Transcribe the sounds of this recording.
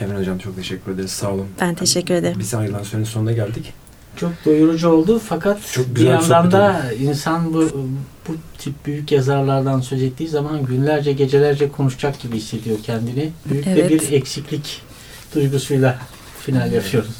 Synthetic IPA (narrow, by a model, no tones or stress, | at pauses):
evɛnod͡ʒamt͡ʃʰo̞kt̪ʰe̞ʃɛcʰːyɾe̞d̪eɾizsaːlˠɯmb̥ænt̪ʰeʃɛcːyɾe̞d̪eɾbizalˠansoniso̞nund̪aɟælʲd̪ic | t͡ʃʰo̞k̚d̪o̞juɾˠud͡ʒuo̞lˠd̪ufakʰat̪t͡ʃʰokbyzijand̪and̪ainsanbub̥ut̪ʰip̚byjycjazaɾlˠaɾd̪ansø̞zet̪ʰːiːzamanɟynlʲæɾd͡ʒɛɟe̞d͡ʒe̞lʲæɾd͡ʒɛkʰo̞nuʃd͡ʒakɟibiisːe̞d̪ijo̞ɾcʰɛnd̪inibyjyclʲɛbiɾɛcsiclʲic | d̪̥ujɡusujlˠa | finalʲjapʰɯjo̞ɾuz̥